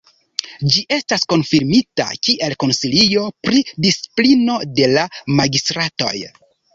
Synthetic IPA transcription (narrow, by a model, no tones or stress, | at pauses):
d͡ʒiʔe̞stasko̞nfiɾmita̰kiʔe̞lko̞nsilio̞pɾidisi̥plino̞de̞lamaɡistɾato̞̰j